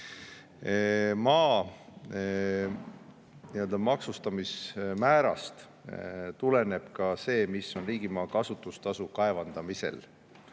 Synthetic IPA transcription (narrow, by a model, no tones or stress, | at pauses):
mɑː | niø̞ld̪ɑmɑksust̪ɑmismæːɾɑ̰st̪ | t̪ule̞ne̞b̥kɑse̞ːmisːo̞nriːɡimɑːkɑsut̪ːˑust̪ɑsukɑe̞vɑnd̪̥ɑmise̞̰l